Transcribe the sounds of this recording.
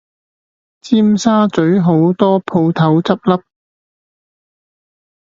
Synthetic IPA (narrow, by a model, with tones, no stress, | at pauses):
t͡siː˥msaː˥t͡sɵ˨˥ɥɦo˨˥wt̪ɔː˥pʰo˧wt̪ʰɐ˨˥wt͡sɐ˥p̚lɐ˥p̚